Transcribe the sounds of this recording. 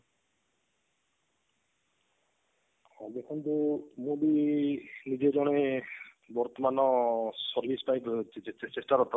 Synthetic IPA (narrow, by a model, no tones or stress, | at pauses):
ɔd̪ekʰɔnt̪umubi | nid͡ʒed͡ʒɔɽ̃e | bɔɾt̪ɔmanɔsɔɾbʱispajkt͡ʃʰit͡ʃet͡ʃet͡ʃesʈaɾɔt̪ɔ